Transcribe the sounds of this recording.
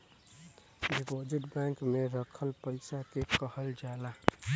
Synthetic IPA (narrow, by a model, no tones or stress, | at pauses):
ɖipod͡ʒiʈbãŋkmeɾəkʰəlpəɪsakekəhəld͡ʒala